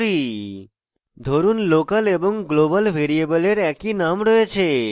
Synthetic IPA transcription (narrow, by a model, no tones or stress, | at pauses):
ɾi | d̪ʱoɾunlokəlebɔŋɡlobəlʋʱeɾiebəleɾɛkinamɾəet͡ʃʰe